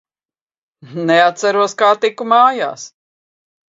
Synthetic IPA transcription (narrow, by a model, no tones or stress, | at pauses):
nɛat̪t̪saɾuɔskaːt̪ikːumaːja̰ːs